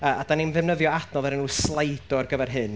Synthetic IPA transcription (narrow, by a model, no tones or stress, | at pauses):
əːʔadanimðɛvnəðjɔadnɔðˠɛɾɛnuːslˠajdɔrɡəvɛrɦɨn